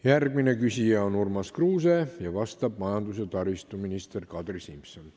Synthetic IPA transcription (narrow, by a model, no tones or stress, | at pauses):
jærɡ̥minekysijæonurmɑskruːseːjɑʋɑst̪ɑb̥mɑjɑnd̪uset̪ɑrist̪uminist̪erkɑt̪risimpson